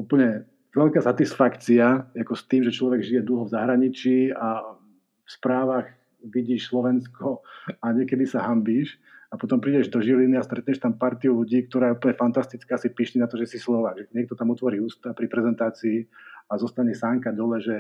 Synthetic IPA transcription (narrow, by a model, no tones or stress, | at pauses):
upl̩ɲɛ | ʋɛʎkaːsat̪isfakt͡siaakɔst̪iːmʒɛt͡ʃlɔʋɛɡʒijɛd̪l̩ˠɦɔvzaɦɾaɲit͡ʃiːa | fspɾaːʋax | ʋiɟiːʃslɔʋɛnskɔaɲɪɛkɛd̪isaɦambiːʃ | apɔt̪ɔmpɾiɟɛʒd̪ɔʒiliniast̪ɾɛt̪ɲɛʃt̪ampaɾt̪iuluɟiːk̚t̪ɔɾaːjɛupl̩ɲɛfant̪ast̪it͡skaːsipiːʃɲɛnat̪ɔʒɛsislɔʋaːɡʒɛɲɛk̚t̪ɔt̪amɔt̪ʋɔɾiːuːst̪apɾipɾɛzɛnt̪aːt͡siːazɔst̪aɲɛsaŋkad̪ɔlɛʒɛ